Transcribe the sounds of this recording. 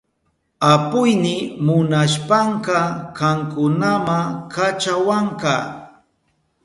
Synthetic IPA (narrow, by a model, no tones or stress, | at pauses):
apʊjnɪmʊnaʃpaɴqɑkɑŋkʊnamakat͡ʃawaɴkɑ